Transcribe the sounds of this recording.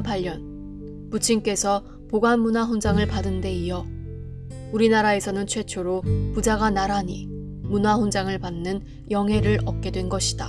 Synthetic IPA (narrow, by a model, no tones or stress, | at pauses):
paʎːjʌn | put͡ɕʰiŋk͈e̞sʰʌ | poɡwanmunaɸond͡ʑaŋɯɭpadɯnde̞iʌ | uɾinaɾae̞sʰʌnɯnt͡ɕʰwe̞t͡ɕʰoɾopud͡ʑaɡanaɾaɲi | munaɸond͡ʑaŋɯɭpanːɯn | jʌŋɦe̞ɾɯɾʌp̚k͈e̞dwe̞nɡʌɕʰi̥da